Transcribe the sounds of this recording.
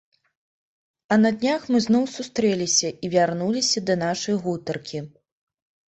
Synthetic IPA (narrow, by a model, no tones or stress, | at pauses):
ɐnɐd̪ʲnʲaxmɨznɔwsust̪ɾɛlʲisʲɐʔivʲarnulʲisʲɐd̪ɐnaʂɐjɣut̪ɐrkʲi